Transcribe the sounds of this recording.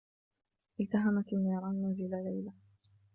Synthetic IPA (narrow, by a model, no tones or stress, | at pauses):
ʔɪlt̪aɦamat̪ɪnːɑːɾˤɑːnːazɪlalajla